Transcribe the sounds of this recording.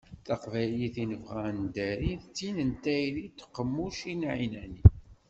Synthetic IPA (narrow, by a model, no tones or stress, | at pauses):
θɑqvæliθinəvʁænd̪æɾiθt͡sːinənt̪æjlit̪ːqːəmːuʃinʕinæni